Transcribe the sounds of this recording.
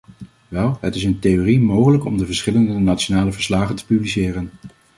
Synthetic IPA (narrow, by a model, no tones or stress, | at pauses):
ʋɛlˠɦətɪsəntejorimowχələkɔmdəvəɹsχɪləndənatt͡ʃonaːləvəɹslaːχəntə̥pyblisɪːrən